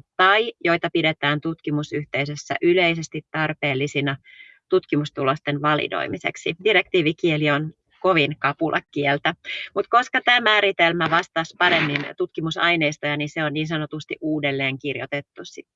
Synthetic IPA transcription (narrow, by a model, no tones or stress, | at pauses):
t̪ɑijo̞jt̪ɑpidet̪æːnt̪ut̪kimusyht̪eisøsːæ̰ʔyleisest̪it̪tɑrpe̞ːlːisinɑ | t̪ut̪kimust̪ulost̪enʋɑlḭdo̰imisḛksidirek̚t̪iːʋikielion | koʋinkɑpulʔɑ̰kkielt̪æmut̪ko̞skɑt̪æːmæːɾit̪elmæʋɑst̪ɑspɑɾemːint̪ut̪kimusɑjneist̪ojɑninseonniːnsɑnot̪ust̪ḭʔuːdelːeːŋkirjo̰t̪et̪ːussit̪